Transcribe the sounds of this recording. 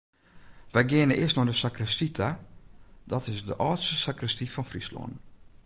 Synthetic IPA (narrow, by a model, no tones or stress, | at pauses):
ʋɛjɡɪənəʔɪsnɔdəsakrəstitʰa | dɔtɪsdəʔɔːtstəsakrəstifɔnfrislo̰n